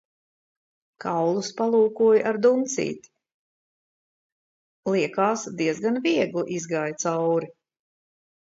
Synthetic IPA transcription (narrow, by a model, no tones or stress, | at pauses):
kawlˠuspalˠuːkuɔjʔaɾd̪unt̪sḭːt̪ | liɛkaːsd̪iɛzɡanviɛɡliʔizɡaːjt̪sawɾi